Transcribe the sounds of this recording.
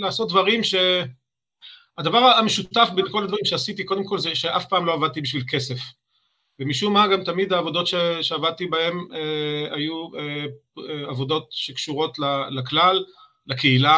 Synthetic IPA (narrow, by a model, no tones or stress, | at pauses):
laːso̞t̪̚d̪vaʁimʃe̞ | ad̪avaʁaameʃutafbenko̞lad̪vaʁimʃeasit̪ikod̪emko̞lzeʃeʔafpaːmlo̞avad̪̚t̪ibiʃvilke̞se̞f | vemiʃumaɡamt̪amid̪aːvo̞d̪o̞tʃeʃeavad̪̚t̪ibae̞meajue | eavo̞d̪o̞t̪ʃekʃuʁo̞tlalaklal | lakeila